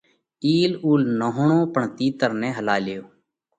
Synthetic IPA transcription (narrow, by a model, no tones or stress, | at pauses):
iːluːlnəɦʊɳõːpəɳt̪iːt̪əɾnẽːɦəlaːlɪjoː